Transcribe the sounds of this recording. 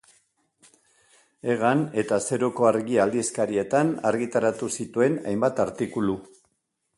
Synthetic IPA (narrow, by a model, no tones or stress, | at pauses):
e̞ɣ̞ane̞t̪ase̞ɾoko̞aɾɣiald̪iskaɾie̞t̪ana̰ɾɣit̪aɾat̪usit̪ue̞na̰jmbat̪aɾt̪ikulu